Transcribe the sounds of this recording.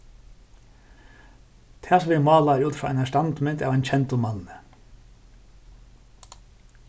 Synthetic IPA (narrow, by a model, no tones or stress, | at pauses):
t̪ʰæːsʋɪmɑːlaɾuːt̪fɾɔːʔa̰næʂtant̪mɪnt̪avajnt͡ɕʰɛnt̪ʊmanə